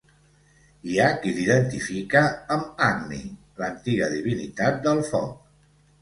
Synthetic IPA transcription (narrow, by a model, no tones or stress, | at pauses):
iakid̪iðənt̪ifikəːmaɡnḭ | lənt̪iɣəðiβ̞init̪at̪̚d̪əlˠfɔ̰k̚